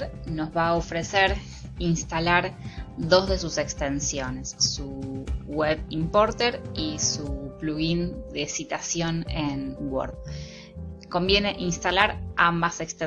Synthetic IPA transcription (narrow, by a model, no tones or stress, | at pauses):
ɾno̞zβaːofɾe̞seɾ | inst̪alaɾðo̞zðe̞suse̞kst̪e̞nsjo̞ne̞sːuɣweβimpo̞ɾt̪eɾisupluɣind̪e̞sit̪asjo̞nenwo̰ɾð | ko̞mbje̞ne̞ʔinst̪alaɾambasekst̪e